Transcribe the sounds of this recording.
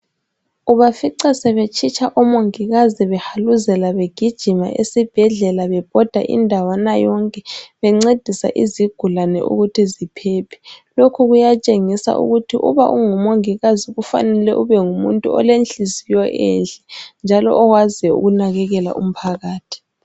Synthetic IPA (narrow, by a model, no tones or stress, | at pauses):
uβafiǀɛsɛβet͡ʃʰʼit͡ʃʰʼaʔɔmoŋiɣaziβɛhaluzɛlaβeɡ̥ʱid̥ʒ̥ʱima̰ʔesib̥ʱɛɮɛlaβɛb̥ʱɔd̥ʱaʔḭndʱawanajɔŋkʼɛβɛŋ͡ǀed̥ʱisa̰ʔiziɡ̥ʱulanɛ̰ʔṵɣutʰizipʰɛːpʰɛ̥lokʰuɣujat͡ʃʼeŋisa̰ʔṵɣutʰiʔṵβa̰ʔuŋumoŋiɣaziɣufa̰nɛlɛʔuβɛŋumṵntʼuɔ̰lent͡ɬizijɔʔɛ̰nɬʼɛnd͡ʒʱalɔ̰ʔːɣwazɛṵɣunaɣɛɣɛla̰ʔṵm̩pʰaɣaːtʰi̥